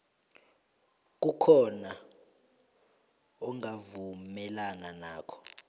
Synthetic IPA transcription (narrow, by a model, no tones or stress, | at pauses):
k̬ʼukʰɔna | ɔŋavumɛlananaːkʰɔ̥